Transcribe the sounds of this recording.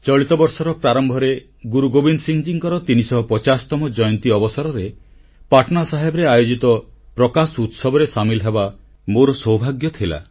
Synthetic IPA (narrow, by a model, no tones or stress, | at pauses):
t͡ʃɔɭit̪ɔbɔɾsɔɾɔpɾaɾɔmbʱɔɾe | ɡuɾuɡobinsiŋd͡ʒiŋkɔɾɔt̪inisɔɦɔpɔt͡ʃasɔ̥t̪ɔmɔd͡ʒɔjɔnt̪iɔbɔsaɾɔɾe | paʈʰɔnasaɦebɔɾeajod͡ʒit̪ɔpɾɔkasut̪sɔbʱɔɾesamilɔɦeba | moɾɔsɔwbʱaɡjɔt̪ʰila̰